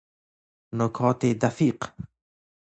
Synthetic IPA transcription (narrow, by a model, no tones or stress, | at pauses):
nokʰɔːt̪ed̪afiq